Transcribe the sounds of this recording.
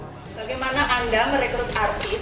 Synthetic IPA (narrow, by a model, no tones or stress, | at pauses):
b̥aɡajmanaʔandaməɾekɾʊt̪̚art̪i